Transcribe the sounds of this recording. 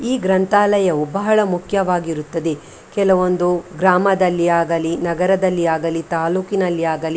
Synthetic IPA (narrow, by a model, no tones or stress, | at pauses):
iːɡɾɐnt̪aːlɐjɐubɐɦɐɭɐmukʰjɐʋaːɡiɾut̪ːɐd̪e̞ | kɛlɐʋo̞nd̪uɡɾaːmɐd̪ɐlːiaːɡɐlinɐɡɐɾɐd̪ɐlːiaːɡɐlit̪aːluːkinɐlːiaːɡɐli